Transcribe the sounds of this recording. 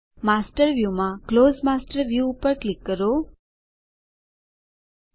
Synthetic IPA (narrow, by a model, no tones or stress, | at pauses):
masʈəɾʋjumãklozmasʈəɾʋjuːpəɾʈlikːəɾo